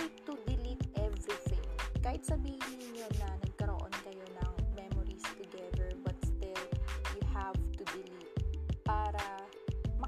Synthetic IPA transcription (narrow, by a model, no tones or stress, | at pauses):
t̪ʊd̪ɪlit̪̚ʔɛvɹiθɪ̰̃ŋkaːhɪt̪̚sɐbiːhnɪɪnːonɐnɐɡ̚kɐɾo̰ʔo̞̰nkɐjo̞nɐŋmɛmoɹist̪ʊɡɛðɛɹbɐt̪̚st̪ɪljʊhavt̪ʊd̪ɪlit̪̚paːɾɐ | mɐ